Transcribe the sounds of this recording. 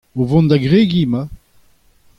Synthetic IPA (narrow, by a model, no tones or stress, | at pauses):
ovɔ̃nd̪aɡʁeɡiːma